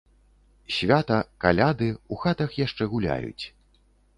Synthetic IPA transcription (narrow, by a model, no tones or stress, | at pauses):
sʲvʲat̪ɐkalʲad̪ɨuxat̪ɐxjaʂt͡ʂɛɣulʲa̰jṵt͡sʲ